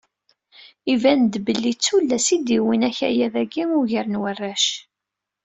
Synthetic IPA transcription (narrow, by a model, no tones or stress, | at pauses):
ivænd̪bəlːit͡sːulːæsid̪iwinæçæ̰jæðæɡimʊʝəɾənwərːæʃ